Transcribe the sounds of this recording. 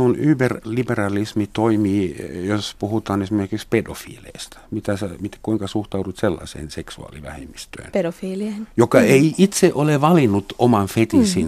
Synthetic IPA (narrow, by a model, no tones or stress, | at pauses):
unyːberliberɑlismit̪oimiːjospuhut̪ɑːnesimerkikspedo̰fḭːlḛist̪æ̥mit̪æsemit̪kuiŋkɑsuht̪ɑudut̪selːɑ̰sḛːnseksuɑ̰ːlḭʋæ̰hḛmːist̪ø̰ːnpedofiːliejokɑeiʔit̪seʔoleʋɑlinːut̪omɑnfet̪isin